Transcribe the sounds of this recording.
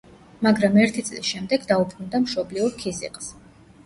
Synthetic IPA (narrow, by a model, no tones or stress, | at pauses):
maɡɾamɛɾt̪ʰit̪sʼlḭsʃɛmd̪ɛɡd̪aupʰɾund̪amʃɔbliuɾkʰizḭqʼs